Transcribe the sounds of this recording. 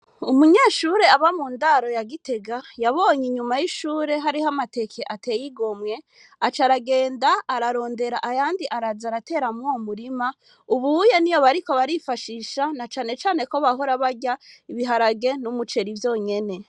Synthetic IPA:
umuɲeːʃuɾe̞aβamuːndaɾo̞jaɡite̞ɡajaβo̞ːɲiɲumajiʃuːɾe̞ɦaɾiɦamate̞kʰe̞ʔate̞jiɡo̞mŋe̞ | at͡ʃaɾaɡe̞ːndaːɾaɾo̞ːnde̞ɾaʔajaːndiʔaɾazaɾate̞ːɾamŋomuɾima | uβujenijo̞βaɾiko̞βaɾifaʃiːʃanat͡ʃaːne̞t͡ʃaːne̞ko̞βaɦo̞ɾaβaɟaiβiɦaɾaɡe̞numut͡ʃe̞ɾivjo̞ːɲe̞ne̞

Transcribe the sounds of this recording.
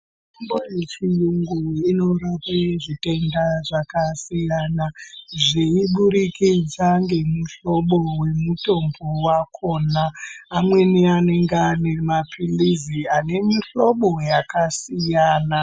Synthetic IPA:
umbojet͡ʃijuŋɡuino̞rapeʐite̞ndaʐakasijaːnaʐiiɓuɾikid͡zaŋɡe̞muɬo̞ɓowe̞muto̞mbowakʰoːnaːmwe̞niane̞ŋɡeane̞mapʰiliziane̞miɬo̞ɓo̞jakasijaːna

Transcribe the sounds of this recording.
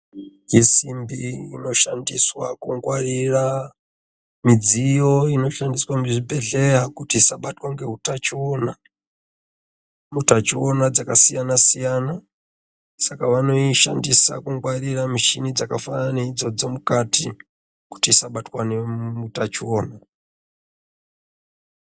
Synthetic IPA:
isimbiinoʃandiswa̰kuŋɡwaɾiɾa | mid͡zijoinoʃandiswamiʐibʱɛɮɛɦakutisaɓatwaŋɡeɦutat͡ʃiwɔna | mutat͡ʃiwonad͡zakasijanasijana | sakaʋanoiʃa̰ndisa̰kuŋɡwaɾiɾamiʃinid͡zakafananeid͡zod͡zomukatʰi | ku̥tiːsaɓatwanemutat͡ʃiwoːna

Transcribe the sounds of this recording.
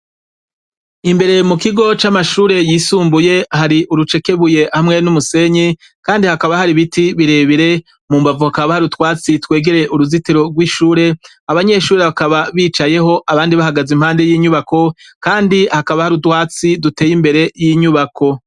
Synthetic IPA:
imbe̞ɾe̞mukiɡo̞t͡ʃamaʃuːɾe̞jiːsuːmbuje̞haɾiʔuɾut͡ʃe̞ke̞βuje̞hamŋe̞numuse̞ɲi | kaːndihakaβahaɾiβitiβiɾe̞ːβiɾe̞ | muːmbavuhakaβahaɾutwaːt͡sitwe̞ːɡe̞ɾe̞ʔuɾuzitiɾo̞ɡwiːʃuːɾe̞ | aβaɲe̞ʃuːɾe̞βakaβaβiːt͡ʃaje̞ɦo̞ʔaβaːndiβahaɡazimhaːnde̞jiːɲuβako̞kaːndihakaβahaɾutwaːt͡sidute̞ːjimbe̞ɾe̞jiɲuβakʰo̞

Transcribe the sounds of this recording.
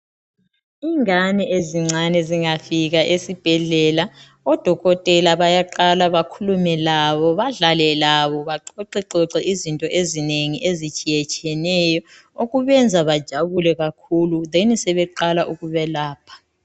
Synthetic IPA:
iŋanɛʔeziŋ͡ǀanɛziŋafiɣaʔesib̥ʱɛɮɛla | ɔd̥ʱɔɣɔtʼɛlaβajaǃalaβakʰulumɛlaβɔβaɮalɛlaβɔβaǃɔǀɛǃɔǁɛʔizintʼɔʔezineŋiʔezit͡ʃʼijɛt͡ʃʼijɛnɛjɔ | oɣuβɛnd͡zʱaβad̥ʒ̥ʱaβulɛɣakʰuluðenisɛβɛǃalaʔuɣuβɛlaːpʰḁ

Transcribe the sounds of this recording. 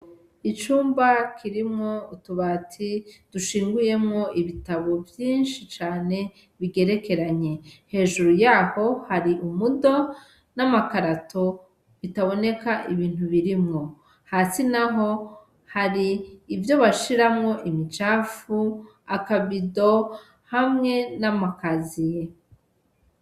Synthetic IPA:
it͡ʃuːmbakʰiɾimŋo̞utuβatʰid̥uʃiːŋɡuje̞mŋo̞ʔiβitaβo̞vjiːnʃit͡ʃaːne̞ | βiɡe̞ɾe̞ke̞ɾaɲe̞he̞ːʒuɾujaːho̞haɾiʔumudo̞ | namakaɾatʰo | βitaβo̞ne̞kaʔiβiːn̥huβiɾimŋo̞ | haːsinaɦo̞ | haɾiːvjo̞βaʃiɾamŋo̞ʔimit͡ʃaːfu | akaβido̞ | hamŋe̞namakazije

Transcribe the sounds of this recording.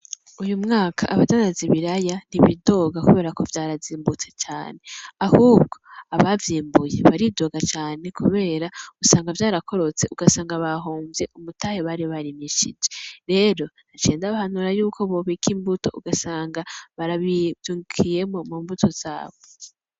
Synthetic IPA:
ujumŋaːkʰaʔaβatanaziβiɾajan̥iβido̞ːɡakuβe̞ːɾako̞vjaːɾaziːmbut͡se̞̥t͡ʃaːne̞ahub̚ɡo̞aβavjiːmbuje̞̰βaɾido̞ɡat͡ʃaːne̞kṵβe̞ːɾausaːŋɡavjaːɾakʰo̞ɾo̞t͡se̞ʔuɡasaːŋɡaβaɦoːɱvje̞ʔumutaheβaɾiβaɾimiʃid͡ʒe̞ɾe̞ɾo̞nat͡ʃeːndaβahanuɾajuːkʰo̞βoβikʰiːmbuto̞uɡasaːŋɡaβaɾaβiuːŋukʰije̞mo̞muːmbutʰo̞z̥a̰ːβo

